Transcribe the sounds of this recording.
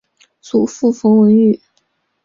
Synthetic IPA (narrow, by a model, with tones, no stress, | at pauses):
t͡su˨˩fu˥˩fɤ˧˥ŋwə˧˥ny˨˩˦